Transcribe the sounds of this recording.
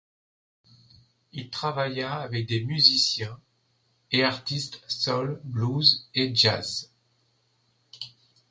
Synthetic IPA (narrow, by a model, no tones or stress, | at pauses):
ilt̪χavajaːvɛk̚d̪emyzisjɛ̃ | eaʁt̪ist̪sɔlbluzeʒa̰z